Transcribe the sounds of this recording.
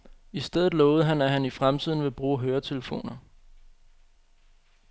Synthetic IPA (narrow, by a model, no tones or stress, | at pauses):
isd̥eð̰ˠð̩ˠlɔːʊð̩ˠɦænæɦænifʁamt͡sʰið̰ˠn̩ʋe̝b̥ʁuːɦøːɐt͡sʰe̝ləfo̝̰ːnɐ